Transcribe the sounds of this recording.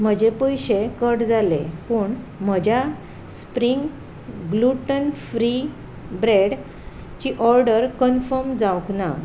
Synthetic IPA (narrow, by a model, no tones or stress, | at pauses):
m̤əd͡ʑepəjɕekəʈd͡zalepəɳ | m̤əd͡ʑʱja | spɾiŋɡ | ɡluʈənfɾi | bɾeɽ | t͡ɕiʔɔɾɖəɾkənfəɾmd͡zãwkna